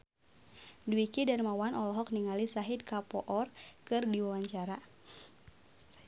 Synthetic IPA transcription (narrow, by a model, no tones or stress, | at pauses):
duwikidanmawanʔɔlɔɦɔk̚niŋalisaɦid̪̚kapɔʔɔrkɨrdiwawaɲt͡ʃaɾa